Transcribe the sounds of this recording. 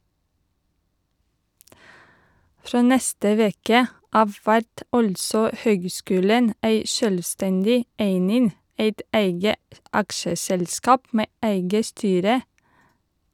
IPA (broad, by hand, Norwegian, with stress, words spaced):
ˈfɾoː ˈnɛstə ˈʋeːkə ˈʔɑʋ ˈʋæɾt ˈɑltsɔ ˈhøːɡˌskʉːlən ˈæɪ ˈʃøːlʋˌstɛndɪ ˈæɪnɪn ˈæɪt ˈæɪɡə ˈɑkʃəsɛlˌskɑːp ˈmeː ˈæɪɡə ˈstyːɾə